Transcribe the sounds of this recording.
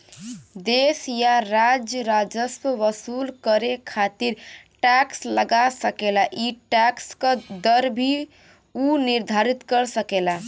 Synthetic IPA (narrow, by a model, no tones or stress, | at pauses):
d̪esjaɾad͡ʒjəɾad͡ʒəswəʋəsulkəɾekʰat̪iɾʈaksləɡasəkelaʔiʈakskəd̪əɾbʱi | uniɾd̪ʱaɾit̪kəɾsəkela